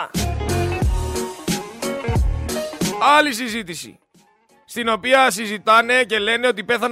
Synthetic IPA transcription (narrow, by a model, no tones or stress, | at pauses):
ɐlisizit̪isḭ | st̪ino̞piɐsizit̪ɐne̞ce̞le̞ne̞o̞t̪̬ipe̞θɐn